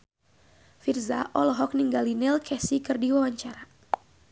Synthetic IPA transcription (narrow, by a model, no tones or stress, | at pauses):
firza̰ʔɔlɔɦɔk̚niŋɡalinɪlkʰɛsikɨrdiwawaɲt͡ʃaɾa